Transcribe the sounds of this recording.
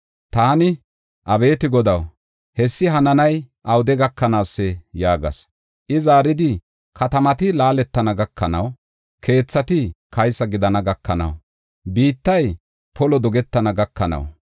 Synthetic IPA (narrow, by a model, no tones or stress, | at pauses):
t̪aːnɪ | ʔɐbe̞ːt̪ɪɡɔd̪ɐw | hɛsːɪɦɐnɐnɐjʔɐwd̪ɛɡɐkːɐnaːsːɛjaːɡɐ̰s | ʔɪzaːɾɪd̪ɪ | kʰɐt̪ɐmɐt̪ɪlaːlɛt̪ːɐnɐɡɐkːɐnɐ̰w | kʰe̞ːt͡sːɐt̪ɪkɐjsːɐɡɪd̪ɐnɐɡɐkʰːɐnɐ̰w | biːt̪ːɐj | pɔlɔd̪ɔɡɛt̪ːɐnɐɡɐkːɐnɐ̰w